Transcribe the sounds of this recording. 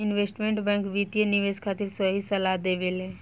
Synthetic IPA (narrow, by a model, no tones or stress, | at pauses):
ɪnʋeːsʈmẽɳʈbɛ̃ːŋkʋit̪jenɪʋeːskʰaːt̪iɾsəɦisɐlad̪eʋelɦɛ̃ː